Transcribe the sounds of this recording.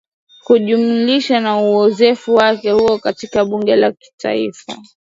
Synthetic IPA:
kuʄumuliʃanauɔzɛfuwakɛhuɔkatikaɓuŋɡɛlaki̥ta̰ifa̰

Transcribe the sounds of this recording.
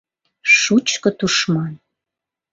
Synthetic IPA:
ʃut͡ɕkə̆t̪uʃmɑn

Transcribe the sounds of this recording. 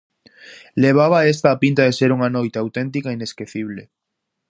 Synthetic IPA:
leβ̞aβ̞aest̪aːpĩnt̪aðeseɾuŋanojt̪eawt̪ent̪̬ikaineskeθiβle

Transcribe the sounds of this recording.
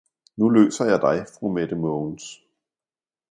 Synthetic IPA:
nulø̰ːsɐjɑ̈ɪd̥ɑ̈ɪfʁumed̥əmɔns

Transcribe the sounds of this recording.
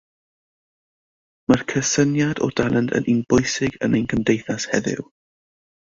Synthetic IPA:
markʰəsənjadɔ̰d̥alˠəndə̰nʔɪnbʊjsɪɡə̰nenkʰəmdejθashɛðɪ̰w

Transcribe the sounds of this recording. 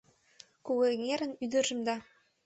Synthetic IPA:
kuɣeŋeɾə̆nyd̪ə̆ʒə̆md̪ɑ

